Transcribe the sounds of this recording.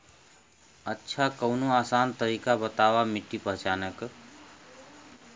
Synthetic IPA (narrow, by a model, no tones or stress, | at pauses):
ətːʃʰakəʊnoaːsaːnt̪əɾiːkabət̪aːʋamɪʈːipəɦt͡ʃaːnək